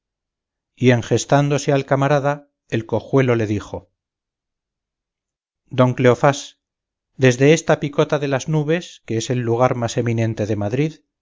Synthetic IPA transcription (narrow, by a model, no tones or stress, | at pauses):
ie̞ŋxe̞st̪and̪o̞sealkamaɾaða | e̞lko̞xwe̞lo̞le̞ðixo̞ | d̪o̞ŋkle̞o̞fas | d̪e̞zðe̞est̪apiko̞t̪aðe̞laznuβe̞skeese̞lːuɣ̞aɾmase̞minẽ̞nt̪e̞ðe̞maðɾið